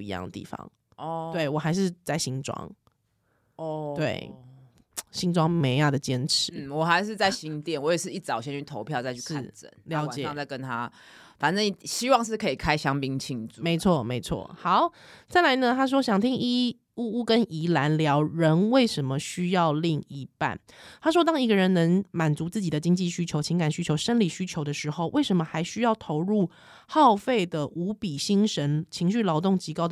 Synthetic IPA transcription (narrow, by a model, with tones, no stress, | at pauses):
ḭ˧jɑ̰˥˩ŋd̪ə˨˩t̪ḭ˥˩fɑ̰˨˩ŋ | ɔt̪we˥˩ɪwɔ˨˩xa˧˥ɪʂ̬ɻ̩˥˧t͡sa˥˩ɪɕi˥ŋʈ͡ʂwɑ̰˥ŋ | t̪we˥˩ɪ | ɕi˥ŋʈ͡ʂwɑ˥ŋme˧ɪjɑ˥˩d̪ə˩t͡ɕjɛ˦nʈ͡ʂʰɻ̩˨˧˦wɔ˨˩xa˧˥ɪʂɻ̩˥˧t͡sa˥˩ɪɕi˧˥ŋt̪jɛ˥˩nwɔ˧˦jɛ˨˩ʂɻ̩˥˧i˥˩t͡sɑ˨˩ʊɕjɛ˥˦ny˥˩t̪ʰo˧˦ʊpʰjɑ˥˧ʊt͡sa˥˧y˥˧ʂkɻ̩a̰˥˩t͡sə̰˧˦nljɑ˧˦ʊa˨t͡ɕjɛ˨ɑ˧˩ŋt͡sa˥˩ɪkə˦nt̪ʰa˦ | fa˨˩nʈ͡ʂə˥˩n˨˩˨ɕi˥wɑ˥˨ŋʂ̬ɻ̩˥˩kʰɤ˧˥i˨˩kʰa˥ɪɕjɑ˥ŋpi˦ŋt͡ɕʰi˥˧ŋt͡su˨me˨˧˥ɪt͡sʰwɔ˥˩me˧˥ɪt͡sʰwɔ̰˥˩hɑ˨˩˦ʊt͡sa˥˩ɪla˧˥ɪnə˧t̪ʰa˥ʂ̬wɔ˥ɕjɑ˨˩ŋt̪ʰi˥ŋi˥ | u˥˩u˥˩kə˦˥nʔi˧˥la˧˥nljɑ˧˥ʊɻə˧˥nwe˥˩ɪʂə˧˥nmə˨ɕy˥jɑ˥˧ʊli˥˧ŋi˧pa̰˥˩nt̪ʰa˥ʂ̬wɔ˥t̪̬ɑ˥ŋi˧˥ɡə˧ɻə˧˥nnə˧˥ŋma˨˩nt͡su˧˥t͡sɹ̩˥˩t͡ɕi˨d̪ə˦t͡ɕi˥ŋt͡ɕi˥˩ɕy˥t͡ɕʰo˧˥ʊt͡ɕʰi˧˥ŋka˨˩nɕy˥t͡ɕʰjo˧˥ʊʂə˥nli˨˩ɕy˥t͡ɕʰjo˧˥ʊd̪ə˧ʂɻ̩˧˥xo˥˧ʊwe˥˩ɪʂə˧˥nmə˧xa˧˥ɪɕy˥jɑ˥˩ʊt̪ʰo˧˥ʊɻu˥˩ | xɑ˥˨˧ʊfe˥˩ɪd̪ə˩ʔu˧˥pi˨˩ɕi˥ŋʂə˧˥nt͡ɕʰi˧˥ŋɕ̬y˥˩lɑ˧˥ʊt̪ʊ˥˩ŋt͡ɕi˧˥kɑ˥ʊd̪